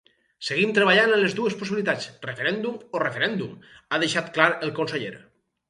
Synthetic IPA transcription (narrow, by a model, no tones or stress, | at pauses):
seɣ̞imt̪ɾeβaʎanenlezd̪uesposiβilit̪at͡srefeɾɛnd̪umorefeɾɛnd̪umað̞eʃat̪klaɾelˠkonseʎeɾ